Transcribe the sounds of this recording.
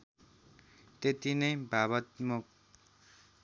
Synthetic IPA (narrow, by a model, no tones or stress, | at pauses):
t̪et̪inʌjbʱaβʌt̪muk